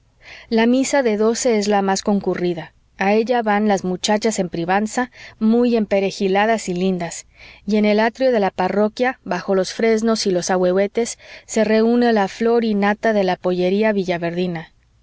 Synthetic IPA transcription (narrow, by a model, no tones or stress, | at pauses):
lamisaðe̞ðo̞se̞ezlamasko̞ŋkuriðaː | e̞ʝaβanlazmut͡ʃat͡ʃase̞mpɾiβansamuje̞mpe̞ɾe̞xilaðasilind̪asie̞ne̞lat̪ɾjo̞ðe̞laparo̞kjaβaxo̞lo̞sfɾe̞zno̞silo̞sawe̞we̞t̪e̞sːe̞re̞une̞laflo̞ɾinat̪aðe̞lapo̞ʝe̞ɾiaβiʝaβe̞ɾðina